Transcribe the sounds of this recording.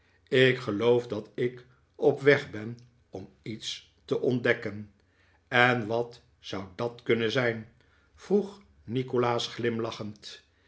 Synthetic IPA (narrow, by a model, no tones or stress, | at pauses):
ɪkχəlowfdɑtɪk | ɔpʋɛχbɛn | ɔm | its | təʔɔndɛkən | ɛnʋɑt | sʌwdɑtkɵnəzɛjn | v̥ruχ | nikolaːsχlɪmlɑχənt